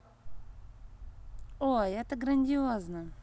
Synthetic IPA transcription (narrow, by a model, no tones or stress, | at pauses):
oɛt̪əɡɾɐnʲdʲɪoznə